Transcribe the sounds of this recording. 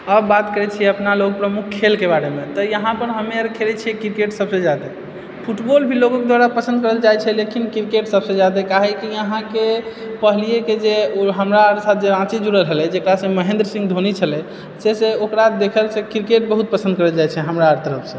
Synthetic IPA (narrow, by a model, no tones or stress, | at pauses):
əbːat̪kəɾɛt͡ʃʰiəpnalok̚pɾəmukʰkʰːelkebaɾemet̪ɔjəɦãpəɾɦəmeɾkʰelɛt͡ʃʰikiɾkeʈsəbsẽd͡ʒad̪e | pʰuʈbolbʱiloɡõked̪waɾapəsə̃nd̪̚kəɾəld͡ʒajt͡ʃʰɛlekinkɾikeʈsəbsə̃d͡ʒad̪ekaɦɛkiəɦãke | pəɦlijeked͡ʒeoɦəmɾaɾsat̪̚ʰd͡ʒeãt͡ʃid͡ʒuɽəlɦəlɛd͡ʒekɾasə̃məɦẽnd̪ɾəsĩŋɡd̪ʱonit͡ʃʰəlɛ | seseokɾad̪ekʰəlsekɾikeʈ̚bəɦut̪̚pəsənd̪kəɾəld͡ʒajt͡ʃʰɛɦəmɾaɾt̪əɾəpʰsə̃